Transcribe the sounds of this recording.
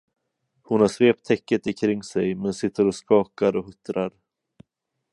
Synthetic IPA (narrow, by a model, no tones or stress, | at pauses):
hʊnhaʂveːp̚t̪ʰːɛkːət̪ɪkʰɾɪŋːsɛjmɛnsɪt̪ʰːəɾɔskɑːkaɾɔɦɵt̪ːɾaɾ